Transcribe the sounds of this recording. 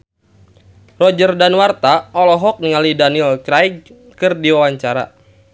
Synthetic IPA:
rɔd͡ʒərdanwart̪aʔɔlɔɦɔk̚niŋalidanilkɾajɡ | kɨrdiwawaɲt͡ʃaɾa̰

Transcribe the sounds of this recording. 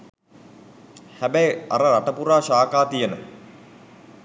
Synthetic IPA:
hæbæja̰ɾəɾaʈəpuɾaːʃaːkaːt̪ijənə̰

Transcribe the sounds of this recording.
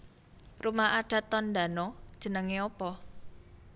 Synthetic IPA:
rumaʔaɖ̥a̤t̪ːɔnd̪a̤nɔd̥ʒ̥ə̤nəŋeɔpɔ

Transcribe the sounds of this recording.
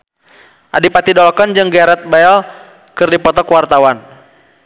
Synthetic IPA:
ʔadipat̪idɔlɔkɔnd͡ʒɨŋɡɛɾɛt̪̚baɛl | kɨrdipɔt̪ɔkwart̪awan

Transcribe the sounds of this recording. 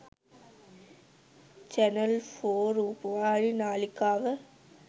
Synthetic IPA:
t͡ʃɐnɐlfoːɾupʋaːɻinaːlɪkːaːʋɐ

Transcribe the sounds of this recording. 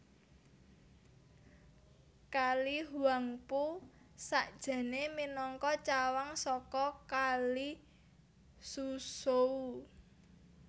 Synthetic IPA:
kaliɦuwaŋpu | saʔd̥ʒ̥a̤neminɔŋkɔt͡ʃawaŋsɔkɔkali | susou

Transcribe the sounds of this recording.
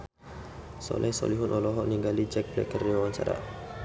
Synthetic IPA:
sɔ̰lʔɛhsɔ̰liɦunʔɔlɔɦɔʔniŋɡalid͡ʒɛk̚blɛ̰kəriwaɲt͡ʃa̰ɾa̰

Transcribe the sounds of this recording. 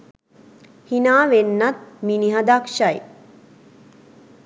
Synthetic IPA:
hinaːʋenːat̪̚miniɦad̪akʃaj

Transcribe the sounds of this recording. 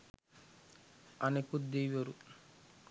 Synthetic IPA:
ɐnekud̪ejʋɐɾu

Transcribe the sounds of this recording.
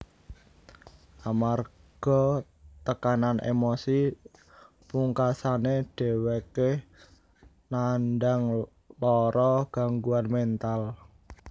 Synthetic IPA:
ʔamar | ɡ̥ɔ̤ | t̪əkananʔḛmosi | puŋkasaneɖ̥e̤weke | nanɖaŋ | lɔɾɔɡ̥a̤ŋɡuanmɛnt̪al

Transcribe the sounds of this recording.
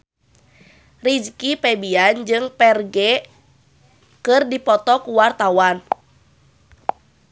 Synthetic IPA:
rid͡ʒkipɛbiand͡ʒɨŋpɛrɡɛ | kɨrdipɔt̪ɔkuwart̪awan

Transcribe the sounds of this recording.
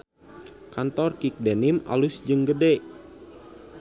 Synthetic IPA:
kant̪ɔrkik̚denima̰lusd͡ʒɨŋɡədɛ

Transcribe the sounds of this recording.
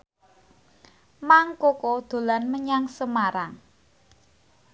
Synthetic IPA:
maŋkokod̪̥o̤lanməɲaŋsəmaɾaŋ

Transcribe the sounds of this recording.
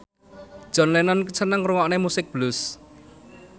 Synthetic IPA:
d̥ʒ̥ɔ̤nlɛnɔnkət͡ʃʰənəŋɾuŋɔʔnemusɪk̚b̥lʊs

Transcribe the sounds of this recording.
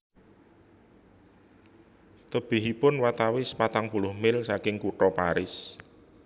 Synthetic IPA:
t̪əb̥ɪɦipʊnwat̪awɪsə̥pat̪aŋpulʊhmɪlsakɪŋkuʈɔpaɾɪs

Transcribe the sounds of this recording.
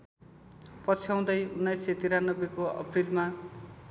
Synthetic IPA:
pʌt͡sʰjaw̃d̪ʌjunːʌjset̪iɾanːʌbekoʌ̰prilma

